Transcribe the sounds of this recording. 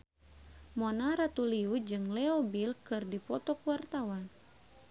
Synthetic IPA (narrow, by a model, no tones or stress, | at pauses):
mɔnaɾat̪uliud͡ʒɨŋlɛɔbilkɨrdipɔt̪ɔkwart̪awan